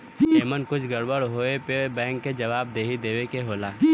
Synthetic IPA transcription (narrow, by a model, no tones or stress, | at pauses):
eeːmənkʊt͡ʃʰɡɐɾbəɽɦoːepebɛ̃ːŋkːed͡ʒɐʋaːb̚d̪eːɦid̪eːʋekeɦoːlaː